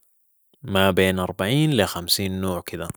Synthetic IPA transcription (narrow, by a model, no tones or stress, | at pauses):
mabeːnʔɑɾˤbaʕiːnlɪxamsiːnːoːʕkɪd̪a